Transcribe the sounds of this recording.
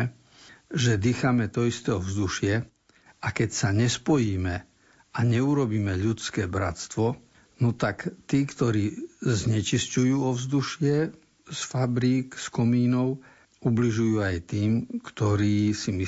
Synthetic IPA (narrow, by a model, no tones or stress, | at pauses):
ʒɛd̪iːxamɛt̪ɔist̪ɛɔvzd̪uʃɪɛ | akɛcsaɲɛspɔjiːmɛ | aɲɛuɾɔbiːmɛʎut͡skɛːbɾa̰t̪st̪ʋɔ | nɔt̪akt̪iːkt̪ɔɾiːzɲɛt͡ʃiscujuːɔvzd̪uʃɪɛ | sfabɾiːkskɔmiːnɔʊ | ubliʒujuːajt̪iːmkt̪ɔɾiːsimi